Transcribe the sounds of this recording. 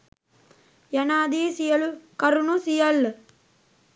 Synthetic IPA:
jɐnaːd̪iːsijɐlukɐɾunusijɐl

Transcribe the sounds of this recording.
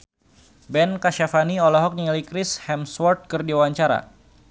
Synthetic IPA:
bɛnkaʃafaniɔlɔɦɔk̚niŋalikɾɪshɛmswɔrt̪̚kɨrdiwwaɲt͡ʃaɾa̰

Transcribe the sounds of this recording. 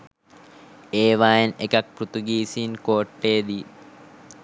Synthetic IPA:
eːʋaːjenekɐk̚pɾut̪uɡiːsiːnkoːʈːeːd̪i

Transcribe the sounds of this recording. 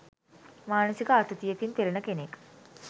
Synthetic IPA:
maːnəsikəat̪ət̪ijekint̪elenəkenek

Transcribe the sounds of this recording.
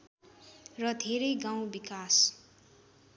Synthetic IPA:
rʌd̪ʱeɾʌjɡaw̃bikas

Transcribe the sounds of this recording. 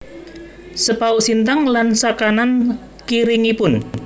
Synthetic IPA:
səpauʔsint̪aŋlansakanan | kiɾiŋipʊn

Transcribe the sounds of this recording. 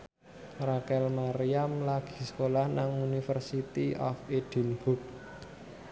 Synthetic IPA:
rakɛlmaɾiamlaɡ̥i̥̤sə̥kolahnaŋunifərsit̪iɔfed̥i̤nb̥uk̚

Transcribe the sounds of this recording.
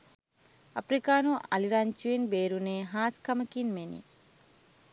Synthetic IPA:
ɐpɾikaːnuɐliɾaɲt͡ʃuinbeːɾuneːɦaːskɐmɐkinmenḭ

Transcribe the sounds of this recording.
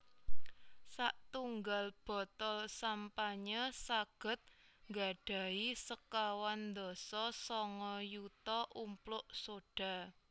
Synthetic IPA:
saʔt̪uŋɡalb̥ɔ̤t̪ɔlsampaɲəsaɡ̥ə̤t̪̚ŋɡa̤ɖ̥a̤isəkawand̪ɔsɔsɔŋɔjut̪ɔʔumplʊʔsoɖ̥a̤

